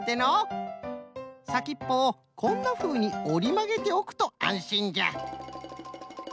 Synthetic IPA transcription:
t̪eno | sakʲipːo̞ː | kʰo̞nːaɸɯ̟ːɲ̟io̞ɾʲimaɡe̞t̪e̞o̞kɯ̟̥t̪o̞ã̰ɰ̃ɕĩɲd͡ʑa̰

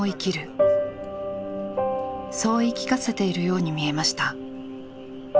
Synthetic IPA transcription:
oikʲiɾɯ̟ | so̞ːikʲi̥kase̞t̪e̞iɾɯ̟jo̞ːɲ̟imʲie̞maɕi̥t̪a

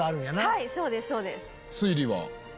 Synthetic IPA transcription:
aːɾɯ̟̃ɰ̃janaaiso̞ːd̪esːo̞ːd̪es | sɨiɾiβa̰

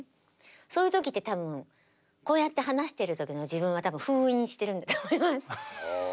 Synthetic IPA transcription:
so̞ːjɯ̟t̪o̞kʲit̪ːet̪abɯ̟̃ŋ | ko̞ːjat̪ːe̞ɦanaɕi̥t̪e̞ɾɯ̟t̪o̞kʲino̞d͡ʑiβɯ̟̃ɰ̃βat̪abɯ̟̃ɸɯ̟ːĩɲ̃ːɕi̥t̪e̞ɾɯ̟nd̪at̪oːmo̞imasɨ̥

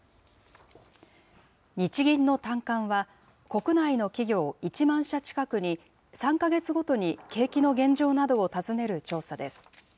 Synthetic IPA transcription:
ɲ̟it͡ɕiɡʲĩnːo̞t̪ãŋkãɰ̃βa | ko̞kɯ̟naino̞kʲiɡʲo̞ːit͡ɕimãɰ̃ɕat͡ɕi̥kakɯ̟ɲ̟i | sãŋkaɡe̞t͡sɨɡo̞t̪o̞ɲ̟ike̞ːkʲino̞ɡẽ̞ɲ̟d͡ʑo̞ːnad̪o̞ːt̪azɨne̞ɾɯ̟t͡ɕo̞ːsad̪e̞sɨ̥

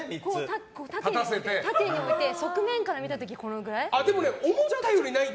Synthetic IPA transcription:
ikot̪akot̪at̪aeaset̪e̞t̪at̪eɲːio̞it̪e̞so̞kɯ̟mẽ̞ŋkaɾamʲit̪at̪o̞k̬ʲiko̞no̞ɡɯ̟ɾaiad̪e̞mo̞neomod͡ʑat̪ajoɾʲinai

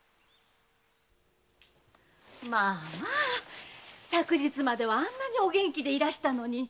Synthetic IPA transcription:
maː | sakɯ̟ʑit͡sɨmad̪e̞βaãnːaɲ̟io̞ɡʲẽ̞ŋkʲid̪e̞iɾaɕi̥t̪ano̞ɲ̟i

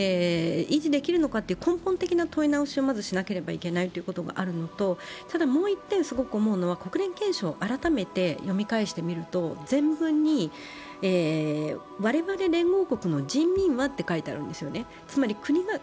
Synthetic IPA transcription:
eiʑid̪e̞kʲiɾɯ̟no̞kat̪ːeiɯ̟kõ̞mpõ̞nt̪e̞kʲinat̪o̞inaoɕio̞mazɨɕinake̞ɾe̞baikʲe̞nait̪o̞jiɯ̟ko̞t̪o̞ɡa̰ʔaɾɯ̟no̞t̪o̞t̪ad̪amo̞ːit̪ːẽ̞ɰ̃sɨɡo̞kɯ̟o̞mo̞ɯ̟no̞β̞ako̞kɯ̟ɾẽ̞ŋkẽ̞ɰ̃ɕoːʔaɾat̪ame̞t̪e̞jo̞mʲikaiɕi̥t̪e̞mʲiɾɯ̟t̪o̞zẽ̞mbɯ̟̃ɲ̟ːi | eː | βaɾe̞βaɾe̞ɾẽ̞ŋɡo̞ːko̞kɯ̟no̞d͡ʑĩmːʲĩɰ̃βat̪ːe̞kait̪ea̰ɾɯ̟̃nd̪e̞sɨjo̞ne̞ | t͡sɨmaɾʲikɯ̟ɲ̟iɡa

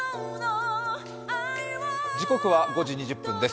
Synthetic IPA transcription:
d͡ʑiko̞kɯ̟βaɡo̞ʑiɲ̟iʑɨpːɯ̟̃nd̪e̞s

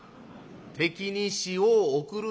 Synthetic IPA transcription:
t̪ʰe̞kʲiɲiɕioːkɯɾɯ

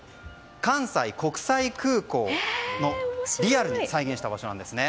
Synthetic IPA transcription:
kãɰ̃saiko̞kɯ̟̥saikʰɯ̟ːko̞ːno̞ɾʲiaɾɯ̟ɲ̟isaiɡẽ̞ɕi̥t̪abaɕo̞nãnd̪esɨne

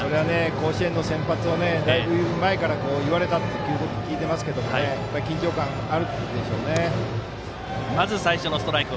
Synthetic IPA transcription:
so̞ɾe̞ane̞ko̞ːɕie̞nːo̞sẽ̞mpat͡sɨone̞d̪aibɯmae̞kaɾako̞ːiβaɾe̞t̪at̪ːokiɯːt̪okʲikʲiːt̪e̞masɨ̥ke̞d̪o̞mo̞ne̞japːaɾikʲĩɲ̟t͡ɕo̞ːkãɰ | aɾɯ̟d̪e̞ɕo̞̰ːne | mazɨsaiɕonosɨ̥t̪oɾaikɯ

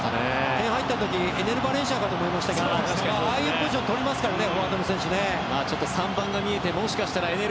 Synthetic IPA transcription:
ane | ẽhait̪ːat̪o̞kʲi | e̞ne̞ɾɯ̟baɾẽ̞ɰ̃ɕ̬akat̪oːmoimaɕi̥t̪akedo | aaiɯkɯʑot̪o̞ɾʲimasɨ̥kaɾaneoβaːt̪anosẽɕone̞ | maːt͡ɕo̞t̪ːo̞sãmbãŋɡamʲie̞t̪e̞mo̞ɕi̥kaɕi̥t̪aɾae̞ne

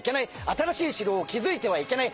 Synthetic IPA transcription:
ke̞naiat̪aɾaɕiːɕiɾo̞ːkʲizɨit̪e̞β̞aike̞nai

